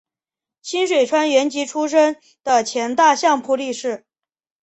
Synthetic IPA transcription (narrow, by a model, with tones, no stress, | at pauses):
t͡ɕʰi˥nʂwe˨˩ʈ͡ʂʰwa˥nɥɛ˧˥nt͡ɕi˧˥ʈ͡ʂʰu˥ʂ̬ə˥ŋ | d̪̥ə˨t͡ɕʰjɛ˧˥nt̪a˥˧ɕjɑ˥˧ŋpʰu˥˧li˥˧ʂɻ̩˥˩